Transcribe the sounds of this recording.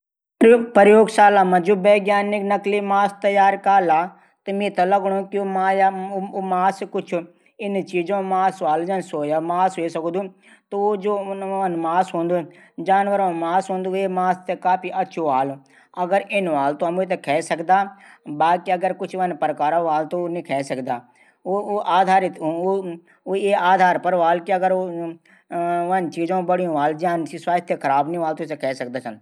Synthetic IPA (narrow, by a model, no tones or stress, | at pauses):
pəɾjoːɡsaːlaːmãd͡ʒuːʋeːɡjaːnɪknɐklimaːst̪ɐjaːɾkaːlaː | t̪ɐmẽːt̪ɐlɐɡɽ̃õːkimaːjmaːskʊt͡ʃʰʊ | ɪnt͡ʃiːd͡ʒõmaːsaːld͡ʒɐnsoːjamaːsɦesɐkd̪u | t̪ood͡ʒoːʋɐnmaːsɦõːnd̪u | d͡ʒaːnʋəɾõmaːsɦõːnd̪ueːmaːst̪ekaːpiʔɐtːʃʰoaːlu | ɐɡəɾʔɪnʋaːlt̪õɐmut̪̬ekʰɛːsɐkd̪aː | baːkiɐɡəɾkʊt͡ʃʰʋɐnpɾkaːɾãʋaːlt̪onĩkʰɛːsɐkd̪aː | ʔaːd̪ʱaːɾɪt̪ː | oeaːd̪ʱaːɾpəɾʋaːlkiɐɡəɾo | ʋɐnt͡ʃiːd͡ʒõːbəɽijõʋaːld͡ʒaːnsiswaːt̪ʰjekʰɐɾaːbnĩʋaːlt̪osekʰɛːsɐk̚d̪aːt͡ʃʰɐn